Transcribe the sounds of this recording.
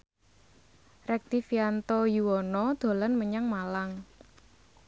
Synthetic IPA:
rɛk̚d̪̥ifiant̪ɔjuwɔnɔd̪̥o̤lanməɲaŋmalaŋ

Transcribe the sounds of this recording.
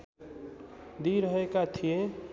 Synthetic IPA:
d̪iɾəɦekat̪ʰijẽ

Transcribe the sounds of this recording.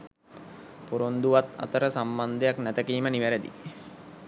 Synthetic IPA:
puɾond̪uʋat̪a̰t̪əɾəsamband̪ejaknæt̪əkiːməniʋæɾəd̪ḭ

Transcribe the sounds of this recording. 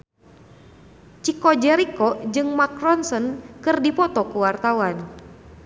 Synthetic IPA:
t͡ʃikɔd͡ʒɛɾikɔd͡ʒɨŋmakrɔnsɔnkɨrdipɔt̪ɔkuwart̪awan

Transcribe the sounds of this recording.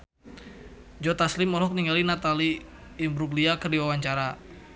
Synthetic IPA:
d͡ʒɔt̪aslimɔlɦɔk̚niŋɡalinat̪aliːmbɾuɡliakərdiwawaɲt͡ʃaɾa

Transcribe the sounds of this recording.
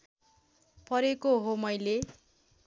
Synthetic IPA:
pʌɾekoɦomʌjle

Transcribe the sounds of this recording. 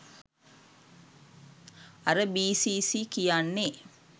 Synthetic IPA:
aɾəbiːsiːsiːkijanːe

